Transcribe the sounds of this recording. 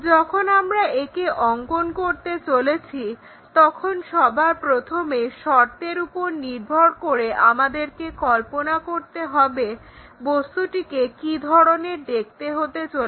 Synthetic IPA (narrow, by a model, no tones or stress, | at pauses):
d͡ʑɔkʰonamɾaekeʔɔŋkonkoɾt̪et͡ɕolet͡ɕʰi | t̪ɔkʰonʃɔbʱapɾot̪ʰomeʃɔɾt̪eɾupoɾniɾbʱoɾkoɾeʔamad̪eɾkekɔlponakoɾt̪eɦɔbe | bost̪uʈikekid̪ʱɔɾoned̪ek̚t̪eɦot̪et͡ɕol